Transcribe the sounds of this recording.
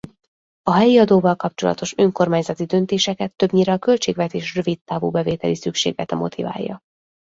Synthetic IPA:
ɒɦɛjiɒd̪oːvɒlkɒpt͡ʃo̞lɒ̰t̪o̞ʃøŋko̞rmaːɲzɒt̪id̪ønt̪eːʃɛkɛt̪ːø̞bɲiɾɛːkø̞lt͡ʃeːɡvɛt̪eːʃrø̞vit̪ːaːvṵːbɛveːt̪ɛlisykʃḛːɡlɛt̪ɛmo̞̰t̪ʰiva̰ːjːɒ̰

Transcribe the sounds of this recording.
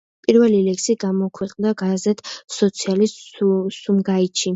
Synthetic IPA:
pʼiɾvɛlilɛksiɡamɔkʰwɛqʼnd̪aɡazɛt̪ʰsɔt̪sʰialissumɡaitʃʰi

